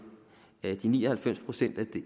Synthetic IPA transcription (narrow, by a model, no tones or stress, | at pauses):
d̥iniːɒhælfem̰spʰʁo̝sen̰d̥æd̥e